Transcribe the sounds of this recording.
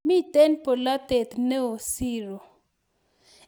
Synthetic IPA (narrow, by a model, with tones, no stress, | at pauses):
mi˦t̪ɛ˦npo˨la˦t̪ɛ˨t̪nɛ˦o˨si˦ɾo˨